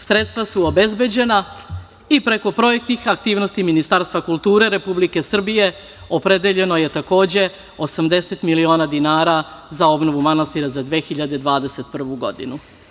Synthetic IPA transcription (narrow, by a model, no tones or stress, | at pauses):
sɾe̞t̪st̪vʋasuobe̞zbe̞d͡ʑe̞na | ipɾe̞ko̞pɾo̞je̞k̚t̪nixakt̪iːʋno̞st̪iminist̪aɾst̪ʋakulˠt̪uːɾe̞ɾe̞publike̞sr̩bije̞ | o̞pɾe̞d̪eʎe̞no̞je̞t̪ako̞ːd͡ʑe̞ | o̞samd̪e̞set̪milio̞ːnad̪inaːɾazao̞bno̞ʋumanast̪iɾazad̪ʋexiʎad̪ed̪ʋaːd̪e̞se̞t̪̚pr̩ʋuɡo̞d̪ḭnu